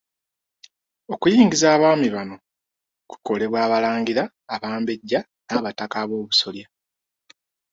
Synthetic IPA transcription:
okujiːŋɡizaːβaːmiβano̞ | ku̥ko̞le̞βwaːβalaːŋɡiɾaː | βaːmbe̞ɟːa | naβatakaβo̞ːβuso̞lja

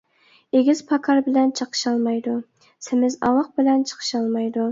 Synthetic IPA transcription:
eɡʲiz̥pʰɑkʰɑɾbɪlɛnt͡ʃʰəqʰə̥ʃɑlˠmɑjd̪u | sɪmɪzɑ̰lˠəq̚bɪlɛnt͡ʃʰə̥qʰə̥ʃɑlˠmɑjd̪u

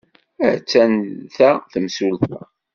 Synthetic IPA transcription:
æt͡sːænθæθəmsulθæ

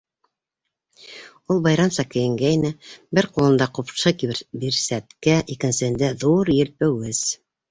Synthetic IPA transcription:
ulˠbɑjɾɑmsɑkɘ̆jɘ̆ŋɡæjnɘbɘɾqulˠɤ̆nd̪ɑqupʃɤkibiɾsæt̪kæʔikɘ̆nsɘ̆hɘ̆nd̪æðuɾjɘ̆lpɘ̆wɘz

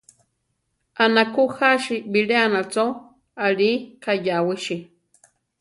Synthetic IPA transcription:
anakuxaʃibileanat͡so | alikajawiʃi

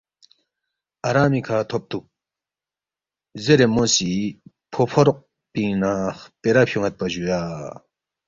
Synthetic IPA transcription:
ʔaɾamikʰat̪ʰop̚t̪ʰuk̚ | zeɾemosi | pʰopʰoɾɔʔ̚ | pinaχpeɾap̚ɕʰuŋat̪̚paʑujaː

